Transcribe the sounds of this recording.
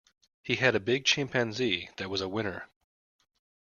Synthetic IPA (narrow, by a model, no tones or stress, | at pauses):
hiɨɾɨbɪɡ̚t͡ʃʰæ̃mpʰæ̃nziðɨt̚wʌzəwɪ̃ñə˞